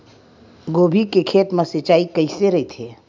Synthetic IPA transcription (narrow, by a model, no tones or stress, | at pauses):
ɡoːbʱikekʰeːt̪mẽsɪt͡ʃaːikəiseɾɐit̪ʰeː